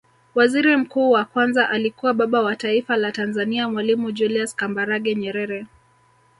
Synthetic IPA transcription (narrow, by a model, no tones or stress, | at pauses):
waziɾim̩kuːwakwanzaʔalikuwaɓaɓawataifalatanzaniamwalimud͡ʒuliaskambaɾaɠɛɲɛɾɛɾɛ